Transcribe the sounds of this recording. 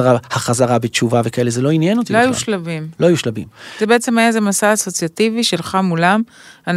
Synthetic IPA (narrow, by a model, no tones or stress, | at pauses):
ʁahaχazaʁabett͡ʃuvavekaelezelo̞injenot̪iloajuʃlavimloajuʃlabḭmz̥ebeet͡se̞majazemasaːso̞t͡sjativiʃe̞lχamulaman